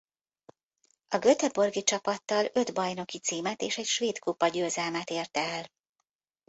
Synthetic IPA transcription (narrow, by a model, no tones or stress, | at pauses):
ɒɡø̞t̪ɛbo̞rɡit͡ʃɒpɒt̪ːɒlø̞d̪bɒjno̞kit̪siːmɛt̪eːʃɛcʃʋeːt̪kupːɒɟøːzɛlmɛt̪eːrt̪ɛɛl